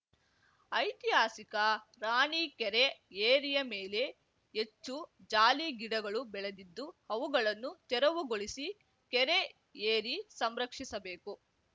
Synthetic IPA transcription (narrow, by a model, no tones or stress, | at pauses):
ɐjt̪iɦaːsikɐ | ɾaːɳiːkɛɾeeːɾijɐmeːle̞ | et͡ʃːud͡ʒaːliɡiɽɐɡɐɭubɛɭed̪id̪ːuhɐʋuɡɐɭɐnːut͡ʃ̪ɛɾɐʋuɡoɭisi | kɛɾe | eːɾisɐmɾɐkʂisɐbeːku